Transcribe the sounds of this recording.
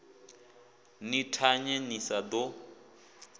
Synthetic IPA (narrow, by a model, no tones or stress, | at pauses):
nitʰaɲenisadɔ